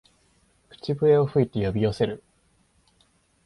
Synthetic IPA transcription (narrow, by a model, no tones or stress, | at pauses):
kɯ̟̥t͡ɕibɯ̟e̞o̞ɸɯ̟it̪e̞jo̞bʲijo̞se̞ɾɯ̟